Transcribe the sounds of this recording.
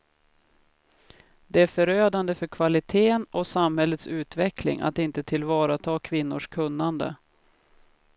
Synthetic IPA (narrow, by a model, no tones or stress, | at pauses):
d̪ɛæɾfœɾøːd̪and̪əfœɾkʰvalɪt̪ʰeːənʔɔsamhɛlːət̪sʉ̟ːt̪vɛklɪ̰ŋʔa̰t̪ɪnt̪ət̪ʰɪlvɑːɾat̪ʰɑːkʰvɪnːʊ̰ʂkʰɵnːand̪ə̰